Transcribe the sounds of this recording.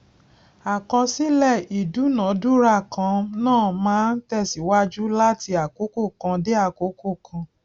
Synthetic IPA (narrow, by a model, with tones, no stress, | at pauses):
a˨kã˧si˦lɛ˦˨i˨du˨˦nã˨˦du˦ɾa˦˨kã˧nãː˦˨mãː˨˦n̩˦tɛ˧˨si˨wa˦d͡ʒu˦la˦ti˧a˨ko˨˦ko˦˨kã˧de˦a˦˨ko˨˦ko˦˨kʰã˧